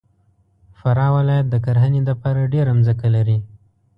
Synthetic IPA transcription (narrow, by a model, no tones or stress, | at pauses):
faɾɑwɪlɑjat̪̚d̪əkaɾɦaned̪əpɑɾaɖeɾamzəkalaɾi